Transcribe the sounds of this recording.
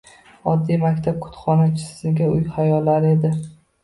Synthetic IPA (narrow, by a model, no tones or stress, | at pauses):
ɒd̪ːijmakʲt̪ʰap̚kʰʊ̥t̪χɒnat͡ʃʰɪ̥ssɪɡʲaʊjχajɒlːaɾe̞d̪ɪ